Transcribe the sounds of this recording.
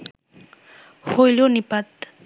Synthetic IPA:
hojlonɪpat̪

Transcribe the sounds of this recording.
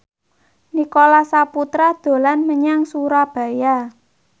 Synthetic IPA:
nikolasaput̪ɾad̪̥o̤lanməɲaŋsuɾab̥ä̤ja

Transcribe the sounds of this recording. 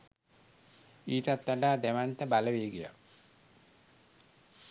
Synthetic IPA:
iːt̪at̪ːaɖaːd̪æʋant̪əbaləʋeːɡija̰

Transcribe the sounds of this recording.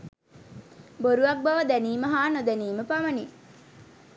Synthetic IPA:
boɾuʋɐk̚bɐʋɐd̪æniːməɦaːnod̪æniːməpɐʋɐni

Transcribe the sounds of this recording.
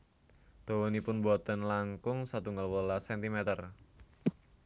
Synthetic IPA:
d̪̥owonipʊnbɔt̪ənlaŋkʊŋsat̪uŋɡalwolasɛnt̪imɛt̪ər

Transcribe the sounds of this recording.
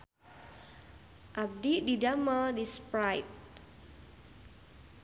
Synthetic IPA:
ʔab̚dididamədispɾajp̚

